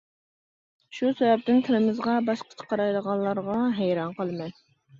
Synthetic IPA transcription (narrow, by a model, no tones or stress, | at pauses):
ʃusɛvɛp̚t̪ɪnt̪ʰɪlɪmɪzʁɑbɑʃqʰə̥t͡ʃʰə̥qɑɾɑjləʁɑnˠlˠɑɾʁɑɦɛjɾɑnqəlˠɨmɛn